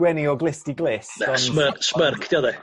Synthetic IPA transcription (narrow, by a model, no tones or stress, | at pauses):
wɛniɔɡlɪstiɡlˠɪsnɛɔsməsmərkʰd̥jaðɛ